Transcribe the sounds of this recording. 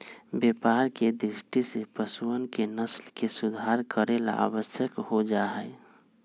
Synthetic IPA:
bepaɾked̪ɾisʈisepəsuənkenəslkesʊd̪ʱaɾkəɾela̰ʔa̰bəsjəkhod͡ʒaɦə

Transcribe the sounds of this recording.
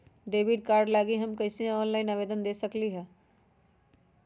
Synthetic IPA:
ɖeːʋɪɖkaːɾɖlaːɡiɦɐmkɐɪsiãɔːnlaːɪnaʋeːd̪ənd̪eːsəkliɦɛː

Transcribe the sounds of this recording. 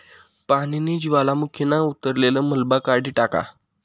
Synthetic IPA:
pañiniːd͡ʑiʋalamukʰinaut̪əɾleləməlbakaɽiːʈaka̰

